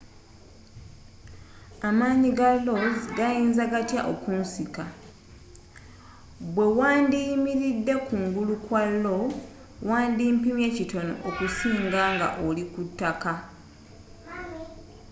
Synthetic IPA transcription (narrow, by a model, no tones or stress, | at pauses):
amaːɲiɡalːo̞zɡajiːnzaɡatjaʔokuːnsika | βwe̞waːndimiɾidːe̞kuːŋɡulukwalːo̞ | waːndiːmpimje̞cito̞no̰ʔokusiːŋɡaːŋɡa̰ʔolikutːaka